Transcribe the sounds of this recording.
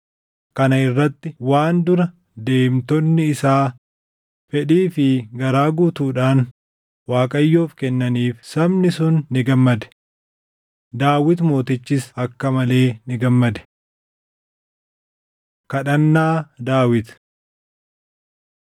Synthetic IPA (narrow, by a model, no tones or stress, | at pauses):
kɐnɐɪrːɐt̪ːɪwaːnd̪ʊɾɐ | d̪e̞ːmt̪ɔnːɪːsaː | fɛᶑiːfɪɡɐɾaːɡuːt̪uːᶑaːn | waːkʼɐjːo̞ːfkɛnːɐniːfsɐbnɪsʊnːɪɡɐmːɐd̪ɛ̥ | d̪aːwɪt̪mo̞ːt̪ɪt͡ʃːɪsɐkːɐmɐle̞ːnɪɡɐmːɐd̪ɛ̥ | kɐᶑɐnːaːd̪aːwɪt̪